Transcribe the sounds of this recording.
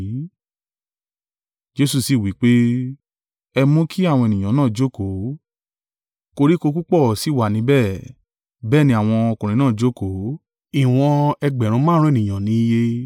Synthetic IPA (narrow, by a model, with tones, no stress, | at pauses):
d͡ʒe˦su˧˨si˨wi˨˦k͡pe˦ | ɛ˧mũ˦kʰi˦a˦˨wɔ̃˧ɛ˨nĩ˨ã˨˦nãː˦˨d͡ʒo˦ko˨˦ | ko˧ɾi˦ko˧k̬u˦k͡pɔ˦˨si˨˦wa˨nĩ˨˦bɛ˦˨ | bɛː˦˨nĩ˧˦a˦˨w̃ɔ̃˧ɔ˧kũ˨ɾĩ˨˦nãː˦˨d͡ʒo˦ko˨˦ | i˨w̃ɔ̃˧ɛ˧ɡ͡bɛ˨ɾ̃ũ˧˦mãː˦ɾ̃u˦e˦˨nĩ˨j̃ã˨nĩ˨˦i˦˧je˧